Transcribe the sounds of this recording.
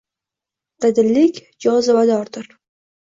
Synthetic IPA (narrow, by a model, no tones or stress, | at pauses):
qɨd̪ɪlːɪkʲ | d͡ʒɒzɪvad̪ɒɾd̪ɪɾ